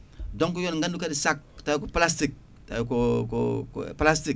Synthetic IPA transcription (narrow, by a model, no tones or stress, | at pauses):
doŋk̬ujonŋɡandukadisak̚tajkuplastik̚ | ta̰jkuko̰plastik̚